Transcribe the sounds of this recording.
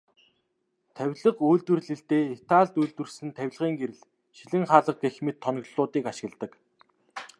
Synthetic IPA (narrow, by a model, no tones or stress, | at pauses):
t̪ʰæwʲɮə̆quːɮt̪wɘ̆rɮɘ̆ɬt̪eːit̪aːɮt̪ujɮt̪wɘ̆rsɘ̆nt̪ʰæw̆ʲɮʁiːŋɡeɾɘ̆ɮ | ʃiɮɘ̆ŋχaːɮə̆q̚ɡexmet̪ʰːɔn̆ɣɮʊːt̪iːkaʃɪ̆ɣ̆ɮt̪ə̆k